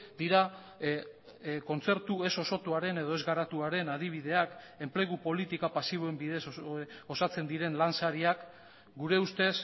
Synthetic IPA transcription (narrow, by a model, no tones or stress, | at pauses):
d̪iɾa | ko̞nt͡se̞ɾt̪ue̞so̞so̞t̪uaɾe̞ne̞ð̞o̞e̞zɡaɾat̪uaɾe̞nað̞iβ̞ið̞e̞ak | e̞mple̞ɣ̞upo̞lit̪ikapasiβ̞oe̞mbiðe̞so̞sat͡se̞nd̪iɾe̞nlansaɾiak | ɡuɾe̞ust̪e̞s